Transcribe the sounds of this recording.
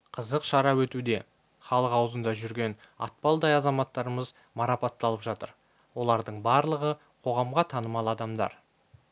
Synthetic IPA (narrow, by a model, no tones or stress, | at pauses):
qʰəzəqʃɑɾɑwɵt̪ud̪e̞ | χɑlˠəqɑwəzənd̪ɑʒʏɾɡʲe̞n | ɑ̰t̪̚pɑlˠd̪ɑjɑzɑmɑt̪ːɑɾəməz | mɑɾɑpɑt̪ːɑlˠəpʒɑt̪əɾ | wo̞lˠɑɾd̪əɴbɑɾlˠəʁə | qʰo̞ʁɑmʁɑt̪ʰɑnəmɑlˠɑd̪ɑmd̪ɑ̰ɾ